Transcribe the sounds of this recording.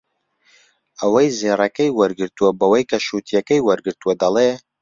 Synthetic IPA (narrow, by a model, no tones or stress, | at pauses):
ɐwɐjzeːrɐkɐjwɐɾɡɨɾt̪uwɐbɐwɐjkʰɐʃuːt̪ʰijɛkɐjwɐɾɡɨɾt̪uwɐd̪ɐleː